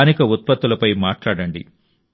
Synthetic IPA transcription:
nikɐut̪̚pɐt̪ːulɐpɐjmaːʈlaːɽɐɳɖḭ

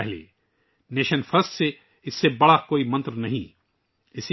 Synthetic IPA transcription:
ɛɦlḛː | neːʃənfɐɾəst̪se | ɪsːebɐɽakoːimɐ̃nt̪ɾnɐɦḭ̃ː | ɪs

